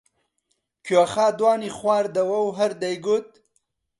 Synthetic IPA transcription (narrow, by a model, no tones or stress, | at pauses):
kʰoaxaːd̪wɑːniχwɑːɾd̪ɐwɐwɦaɾd̪ajɡut̪̚